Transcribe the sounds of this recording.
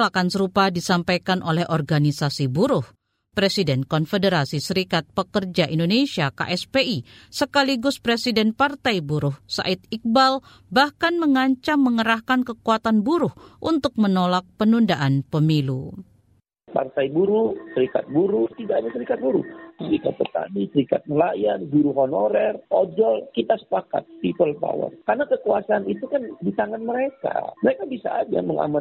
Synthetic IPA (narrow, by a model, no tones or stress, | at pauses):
lakansəɾupadisampajkanʔolɛhɔrɡanisasibuɾʊh | pɾesidɛnkɔnfedəɾasisəɾikat̪̚pəkərd͡ʒaʔindonesiaka̰ʔɛspeisəkaliɡʊspɾesidɛnpart̪ajbuɾʊhsa̰ʔit̪̚ik̚bal | bahkanməŋaɲt͡ʃamːəŋəɾahkankəkuat̪anbuɾʊhʔunt̪ʊk̚mənolak̚pənundaʔanpəmilu | pa̰rt̪ajbuɾusəɾika̰t̪̚buɾut̪idaadasəɾikat̪̚buɾṵsəɾikat̪̚pərt̪a̰disəɾikat̪̚məlajanɡuɾuɦonoɾɛrod͡ʒɔlkit̪asə̥paka̰t̪̚pipəlpa̰wə̰rkarnakəkuasaːnit̪ukandit̪aŋanməɾeka̰məɾekabisaːd͡ʒa̰məŋa̰ma